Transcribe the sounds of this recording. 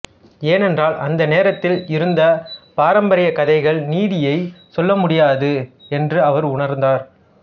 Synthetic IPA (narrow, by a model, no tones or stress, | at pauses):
eːnɛndraːlʔɐnd̪ɐneːɾɐt̪ːɪlɪɾɯnd̪ɐpaːɾɐmbɐɾɪjɐkɐðɐɪɣɐɭniːðɪjɐɪsɔlːɐmʊɽɪjaːðɯɛndrɯɐʋɐɾʊɳɐɾnd̪aːɾ